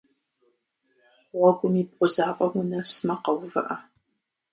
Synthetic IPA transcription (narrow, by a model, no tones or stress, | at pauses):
ʁɐɡʷʊmibqʷʼʊzaːpʼɐwʊnɐsmɐqɐwvɨ̰ʔɐ